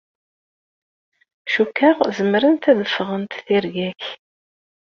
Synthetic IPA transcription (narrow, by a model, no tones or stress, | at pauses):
ʃukːaʁzəmɾənt̪æðəfːʁənt̪θiɾʝæç